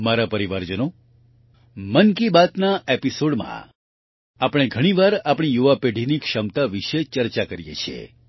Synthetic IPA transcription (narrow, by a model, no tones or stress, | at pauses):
maɾapəɾiʋaɾd͡ʒəno | mənkibat̪naʔepisoɽmã̰ | apɽ̃eɡʱəɽ̃iʋaɾapɳ̃ijuʋapeɖʱinikʃəmt̪aʋiʃet͡ʃəɾt͡ʃakəɾjḛt͡ʃʰiḛ